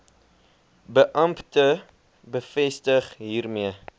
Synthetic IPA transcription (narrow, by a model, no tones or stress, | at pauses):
bəʔɐmptə | bəfɛstəχɦiːrmiə